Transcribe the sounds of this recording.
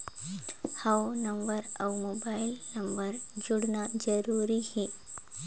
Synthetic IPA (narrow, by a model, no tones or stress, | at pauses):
hawnɐ̃mbəɾawmoːbaːɪlnɐmbəɾd͡ʒuɽnad͡ʒəɾuːɾihɛ